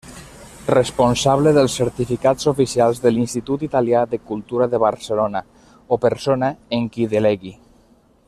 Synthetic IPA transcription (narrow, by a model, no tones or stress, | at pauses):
rəsponsaβləðəlˠsːəɾt̪ifikazofisialˠzðəlinst̪it̪ut̪it̪aljaðəkulˠt̪uɾaðəβaɾsəlona | opəɾsonaeŋkiðelɛɣi